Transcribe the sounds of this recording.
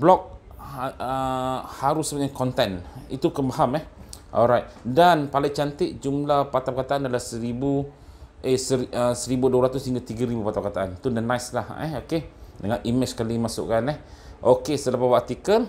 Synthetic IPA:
blɔk̚ | əhaɾʊsəbəɲakʰɔnt̪ɛnḭt̪ukəmaɦamɛhʔɔ̰lɾajt̪̚danpalat͡ʃant̪ɪt̪̚d͡ʒumlahpat̪apəkat̪aʔandalahsəɾibuʔesəəsəɾibuduaɾat̪ʊsəiŋɡat̪iɡaɾibupat̪apəkat̪aʔanit̪undənajslahɛokedəŋanʔimɪt͡ʃskalimasʊ̰ʔkanɛh | ʔokesəlapapat̪ikəl

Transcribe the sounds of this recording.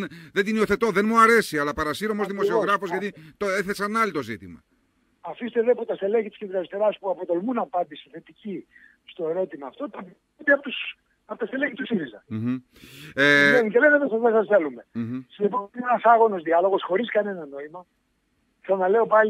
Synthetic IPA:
nðed̪inio̞θe̞t̪oðe̞nmuɐɾe̞siɐlɐpɐɾɐsiɾomozðimosioɣɾɐfozʝɐt̪it̪oeθesɐnːɐlit̪o̞zit̪imɐ | ɐfist̪eðepot̪ɐst̪e̞leçit̪i̥sked̪ɾɐist̪eɾɐspuɐpot̪o̞lmunɐpɐnd̪isiθe̞t̪ici | st̪o̞e̞ɾo̞t̪imɐːft̪o̞t̪ɐp | nd̪eɐpot̪us | ɐpot̪ɐst̪eleçit̪usiɾizɐ | eenit̪elevevesɐðesɐsθe̞lume̞siipoienɐsɐɣo̞no̞zðiɐlo̞ɣo̞sxo̞ɾiskɐne̞nɐno̞imɐ | ksɐnɐle̞o̞pɐli

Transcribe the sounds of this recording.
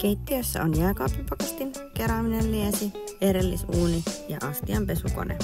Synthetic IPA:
kejt̪ːiøsːæ̰onjæːkɑːpipokest̪inkeɾɑːminelliesieɾelːisuːnijɑ̰ʔɑst̪iɑmpesuko̰nʔḛ

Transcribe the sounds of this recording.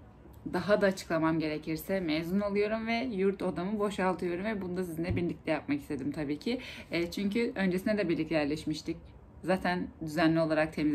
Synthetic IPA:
d̪aɦad̪aːt͡ʃʰɯ̥klˠamamɟe̞ɾe̞cʰiɾsɛmejzunolˠujo̞ɾumvɛjuɾt̪ʰod̪amɯbo̞ʃalˠt̪ʰɯjo̞ɾumvɛbund̪asizinɛbiɾlʲic̚lʲɛjap̚maki̥st̪ʰe̞d̪imt̪ʰabiːcʰit͡ʃʰyɲcyʔø̞nd͡ʒesinɛd̪ɛbiɾlʲic̚t̪ʲɛjæɾlʲɛʃmiʃt̪ʰic | zaːt̪ʰænd̪yzænlʲio̞lˠaɾak̚t̪ʰe̞miz

